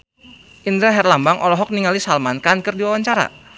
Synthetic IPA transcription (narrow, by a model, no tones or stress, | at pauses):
ʔind̪ɾaɦɛrlambaŋʔɔlɔɦɔk̚niŋalisalmankankərdiwawaɲt͡ʃaɾa̰